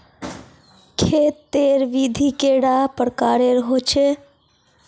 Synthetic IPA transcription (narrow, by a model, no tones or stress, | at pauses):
kʰeːt̪ːeːɾʋid̪ʱikeːɽapəɾkaːɾeɾɦoːt͡ʃʰe